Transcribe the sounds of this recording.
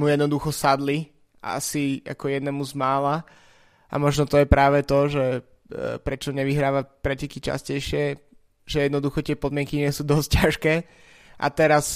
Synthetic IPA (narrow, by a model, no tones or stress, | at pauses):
mujɛd̪nɔd̪uxɔsad̪li | a̰sia̰kɔjɛd̪nɛmuzmaːla | ʔa̰mɔʒnɔt̪ɔjɛpɾaːʋɛt̪ɔʒɛ | pɾɛt͡ʃɔɲɛʋiɦɾaːʋapɾɛcɛkit͡ʃa̰scɛjʃɪɛ | ʒ̥ɛjɛd̪nɔd̪uxɔt̪ɪɛpɔd̪mɪɛŋkiɲɪɛsuːd̪ɔsc̚caʃkɛː | ʔa̰t̪ɛɾas